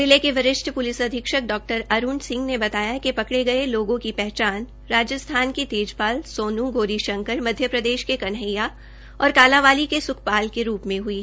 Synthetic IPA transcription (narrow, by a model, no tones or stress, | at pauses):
dɪlekeʋɐɾɪʃʈʰpʊlɪsɐd̪ʱɪkʃək̚ɖɔːk̚ʈəɾɐɾuːɳɖsɪ̃ŋɡnebɐt̪aːjakepɐkɽeɡɐeloːɡõkipɛɦt͡ʃaːn | ɾaːd͡ʒəst̪ʰaːnkit̪eːd͡ʒpaːlsoːnũɡoːɾiʃɐ̃ŋkəɾmɐd̪ʱjəpɾɐd̪eːʃkekɐnɦəja | ɔːɾkaːlãʋaːlikesʊkʰpaːlkeɾuːpmẽɦʊiɛ